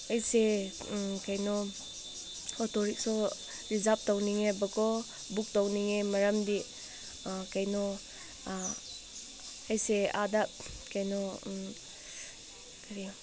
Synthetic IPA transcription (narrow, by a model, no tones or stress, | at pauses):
ɐjse | kʰajnɔ | ɔtɔɾik̚sɔ | ɾizap̚tawniŋebɐkʰɔ | buk̚tawniŋemɐɾɐmdi | kajnɔ | ajseadakajnɔ | kaɾi